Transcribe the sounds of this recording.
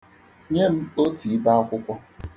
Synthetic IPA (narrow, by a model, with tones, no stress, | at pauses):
ɲe˦m̩˦o˦tʰi˨i˦ba˦a˦kʷʊ˦kʷɔ˦